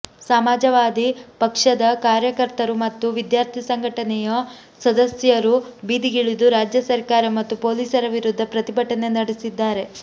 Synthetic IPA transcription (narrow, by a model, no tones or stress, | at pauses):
saːmaːd͡ʒɐʋaːd̪ipɐkʂɐd̪ɐkaːɾjɐkɐɾt̪ɐɾumɐt̪ːuʋid̪jaːɾt̪ʰisɐŋɡʱɐʈɐnɛjɐ | sɐd̪ɐsjɐɾubiːd̪iɡiɭid̪uɾaːd͡ʒjɐsɐɾkaːɾɐmɐt̪ːupo̞ːliːsɐɾɐʋiɾud̪ʱːɐpɾɐt̪ibɐʈɐne̞nɐɽisid̪ːaːɾe̞